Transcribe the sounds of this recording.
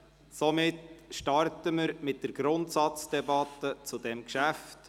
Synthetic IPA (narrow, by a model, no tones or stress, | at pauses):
sɔmɪtʃtɑrtəməɾmɪt̚d̥əɾɡ̥ɾʊntsɑt͡sd̥ɛbɑtːət͡sʊdɛmkʃæft